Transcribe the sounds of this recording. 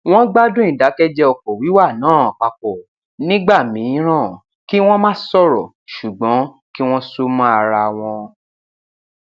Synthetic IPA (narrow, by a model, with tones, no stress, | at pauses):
w̃ɔ̃˦ɡ͡ba˦dũ˦ĩ˦˨da˨˦kɛ˦d͡ʒɛ˦ɔ˧kɔ˨wi˨˦wa˦˨nãː˨˦˨a˨k͡pa˨k͡pɔ˨ | nĩ˦ɡ͡ba˦˨mĩ˨˦ɾ̃ã˦˨ | ki˦w̃ɔ̃˦mã˦sɔ˦˨ɾɔ˨ | ʃu˨ɡ͡bɔ̃˨˦ | ki˦w̃ɔ̃˦su˦mã˦a˧ɾa˧w̃ɔ̃˧